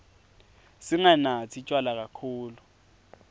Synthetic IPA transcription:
sɪŋanat͡sʰit͡ʃʼwalak̬akʰuːlu

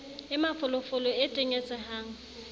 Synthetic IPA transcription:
ɪmafʊlʊfʊlɔetʼɪŋɛt͡sʼɛɦaːŋ̩

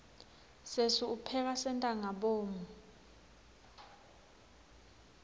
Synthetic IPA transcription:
sesuupʰɛk̬asɛntʼaŋaɓoːmu

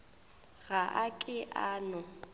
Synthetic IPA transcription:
ɣaʔakʼɪʔaːnɔ

